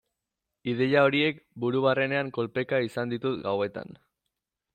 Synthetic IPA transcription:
ið̞e̞jao̞ɾie̞kbuɾuβ̞are̞ne̞aŋko̞lpe̞kaisand̪it̪ut̪ɡawe̞t̪a̰n

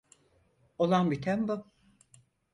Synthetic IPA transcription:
olˠanbit̪ʰæmbu

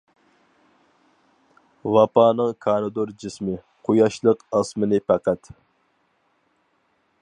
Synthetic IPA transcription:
wɑpɑːnɨŋkʰɑːnɨd̪oɾd͡ʒismɪ | qʰojɑʃlˠəqɑsmɨnɨpʰæqæt̪

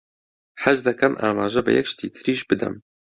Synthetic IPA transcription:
ħæʒd̪ɛkʰɛmʔa̰ːmaːʒɛbɨ̰jɛ̰kʃt̪iːt̪ʰɨɾiːʃbɨd̪ɛ̰m

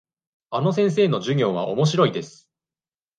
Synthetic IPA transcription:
ano̞sẽ̞ɰ̃s̬e̞ːno̞ʑɨŋʲo̞ːβ̞a̰ʔo̞̰mo̞ɕiɾo̞id̪e̞sɨ̥

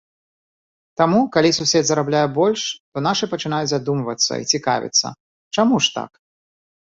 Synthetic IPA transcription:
t̪amukalʲisusʲɛd̪zɐɾablʲajɛbɔlʲʂt̪ɔnaʂɨpɐt͡ʂɨn̪ajut͡sʲzad̪umvɐt̪sːɐ̰ḭt͡sʲika̰vʲḭt̪sːɐ̰ | t͡ʂamuʂt̪a̰k

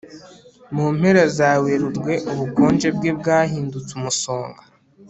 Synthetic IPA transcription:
muːm̥he̞ɾazaːwe̞ɾuɾɡwe̞ʔuβukoːnd͡ʒe̞bɡebɡaːɦiːndut͡sumuso̞ːŋɡa

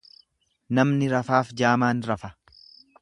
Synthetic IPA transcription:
nɐmnɪɾɐfaːfd͡ʒaːmaːnɾɐfɐ

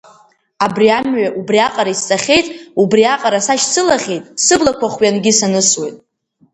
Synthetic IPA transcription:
abriamɥaʔubriaqʼaɾaist͡sʼaχʲe̞jtʼubriaqʼaɾasaʃt͡sʰɨlaχʲe̞jtʼsɨblakʷʰaχʷɥanɡʲɪsanɨswe̞jtʼ

